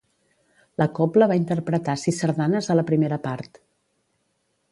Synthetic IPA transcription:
ləkɔpləβaint̪ərpɾət̪asisəɾðanəzðələpɾimeɾəpaɾt̪

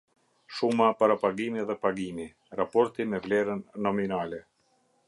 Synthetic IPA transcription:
ʃumapaɾapaɡimiðɛpaɡimi | ɾapɔɾt̪imɛvlɛɾənːɔminalɛ

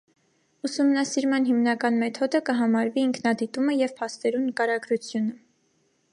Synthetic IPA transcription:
usumnɑsiɾmɑnɦimnɑkɑnmɛt̪ʰɔd̪əkəɦɑmɑɾviːŋkʰnɑd̪it̪uməjɛvpʰɑst̪ɛɾunəkɑɾɑɡɾut͡sʰjunə

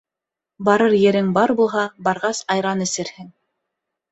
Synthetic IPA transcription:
bɑɾɤɾjɘ̆ɾɘŋbɑɾbulˠɦɑbɑɾʁɑsɑjɾɑnɘ̆sɘ̆ɾhɘŋ

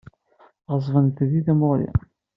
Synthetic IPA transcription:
ʁəzˤvənt̪ðiðæmoɾḭ

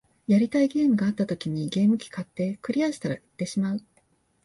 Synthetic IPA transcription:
jaɾʲit̪aiɡe̞ːmɯ̟ɡaat̪ːat̪o̞kʲiɲ̟iɡe̞ːmɯ̟kʲi̥kat̪ːe̞ːkɯ̟ɾʲiaɕi̥t̪aɾaɯ̥t̪ːe̞ɕimaɯ̟

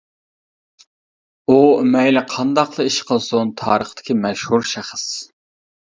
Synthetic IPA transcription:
umɛjlɪqʰɑnd̪ɑqlˠəiʃqʰəlˠsʊnt̪ʰɑːɾəχt̪ɪ̥kʲimɛʃhuɾʃæχəs

